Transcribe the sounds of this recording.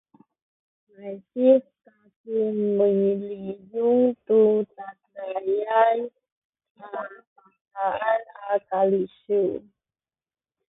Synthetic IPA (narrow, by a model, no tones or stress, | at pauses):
majsifkakinməɲilijuŋt̪utanajaj | apa | kaanakaliʃu